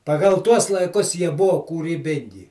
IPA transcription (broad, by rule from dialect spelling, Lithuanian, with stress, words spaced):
pɐˈɡɐlˠ ˈtuɔs lˠɐɪˈkʊs ˈjiɛ ˈbʊʋoː kuːrʲiːˈbʲɪŋʲɡʲɪ